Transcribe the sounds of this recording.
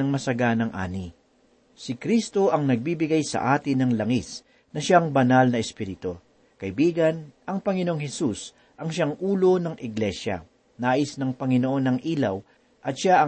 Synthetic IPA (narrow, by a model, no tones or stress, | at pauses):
ɐŋmɐsɐɡanɐŋʔa̰ːni | sɪkɾist̪o̞ʔɐŋnɐɡ̚bibɪɡajsɐ̰ʔaːt̪ɪnɐŋlɐŋis | nɐʃaŋbɐnalnɐɛspiːɾɪt̪o̞ | kɐʔɪbiːɡɐnʔɐŋpɐŋɪnoʔoŋhɛsus | ʔɐŋʃaŋʔuːlo̞nɐŋʔɪɡlɛʃɐ̰ | naːʔɪsnɐŋpɐŋɪno̞ʔo̞nːɐŋʔiːlɐw | ʔɐt̪̚ʃaʔɐ